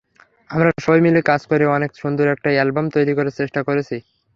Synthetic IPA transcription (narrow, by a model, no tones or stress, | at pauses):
amɾaʃojmilekad͡ʑkoɾeɔnekʃund̪uɾɛk̚ʈaɛlbamt̪ojɾikoɾet͡ɕeʃʈakoɾet͡ɕʰi